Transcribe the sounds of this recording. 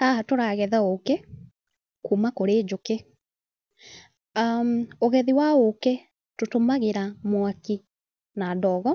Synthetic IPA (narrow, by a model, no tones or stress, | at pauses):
aɦatoɾaɣɛðaoke | kuːmakoɾeːd͡ʒoke | oɣɛðiwaoke | totomaɣeɾamwaki | nadɔːɣɔ